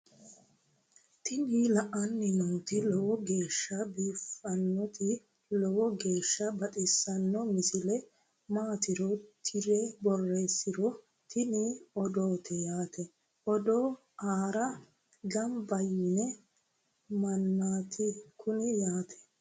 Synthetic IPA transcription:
t̪ʰɪnilɐʔɐnːɪnuːt̪ɪlɔwɔɡe̞ːʃːɐbiːfɐnːɔt̪ʰɪ | lɔwɔɡe̞ːʃːɐbɐt̪ʼɪsːɐnːɔmɪsɪlɛ | maːt̪ɪɾɔt̪ʰɪɾebɔrːe̞ːsːɪɾɔ | t̪ʰɪnɪɔd̪oːt̪ʰɛjaːt̪ʰɛ | ʔɔd̪oː | aːɾɐ | ɡɐmbɐjɪnɛ | mɐnːaːt̪ʰɪkʰʊnɪjaːt̪ʰɛ̥

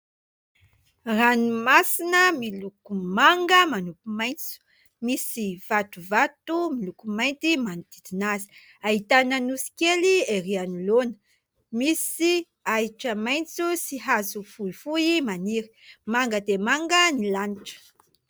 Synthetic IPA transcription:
ranumasinəmilukumaŋɡəmanupumajnt͡su̥ | misiv̥at̪uvat̪umilukumajnt̪imanit̪id̪inazi̥ | aɦit̪anənusi̥kelieɾianulonə̥ | misi | aiʈ͡ʂəmajnt͡susiɦazufuifuimaniɾi̥maŋɡəd̪emaŋɡənilaniʈ͡ʂə̥

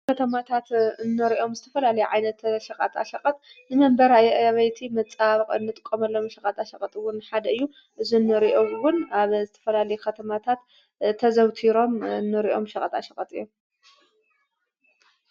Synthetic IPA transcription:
kʰɐt̪ʰɐmat̪ʰat̪ɨnːɐɾiʔo̞mzɨt̪ʰɐfɐlalɐjʕajnɐt̪ʃɐqʼɐ̰t̪a̰ʃɐqʼɐt̪nɨmɐmbɐɾajʔβɐjt̪ʰimɐt͡sʼaβqʼnːɨt̪ʼɨkʼːomɐlːo̞mʃɐkʼɐt̪aʃɐqʼɐt̪ʼɨwʊnħad̪ɐɨjːu | ʔɨzunːɨɾiʔo̞wʊnaβzɨt̪ʰɐ̥fɐlalɐjukʰɐt̪ʰɐmat̪ʰat̪ | t̪ʰːɐzɐwt̪ʰiɾo̞mɨnːɨɾiʔo̞̰mʃɐkʼɐt̪aʃɐqʼɐt̪ʼɨjːom

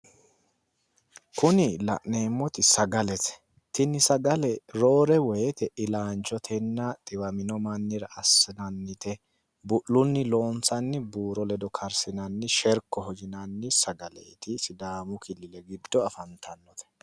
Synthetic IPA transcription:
kʊnɪlɐ̰ʔneːmːɔt̪ɪsɐɡɐlɛt̪ɛ̥ | t̪ɪnːɪsɐɡɐlɛɾo̞ːɾɛwɔjɛt̪ɛʔɪlaːnt͡ʃɔt̪ʰɛnːɐt̪ʼɪwɐmɪnɔmɐnːɪɾɐɐsːɪnɐnːɪt̪ɛ | bʊʔlːʊnːɪlo̞ːnt͡sɐnːɪbuːɾɔlɛd̪ɔkʰɐɾsɪnɐnːɪʃɛɾkːɔɦɔd͡ʒɪnɐnːɪsɐɡɐlɛ̰ɪt̪ɪsɪd̪aːmʊkʰɪlːɪlɛɡɪd̪ːɔɐfɐnt̪ʰɐnːɔt̪ɛ̥

